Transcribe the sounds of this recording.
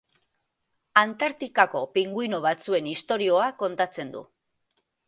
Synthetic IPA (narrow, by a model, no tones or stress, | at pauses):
ant̪aɾt̪ikako̞piŋɡujnoβ̞at͡sue̞nist̪o̞ɾio̞ako̞nt̪at͡se̞nd̪ṵ